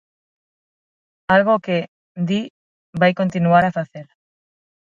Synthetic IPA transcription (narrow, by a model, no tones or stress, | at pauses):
alɣ̞oke | d̪i | bajko̞nt̪inuaɾafaθeɾ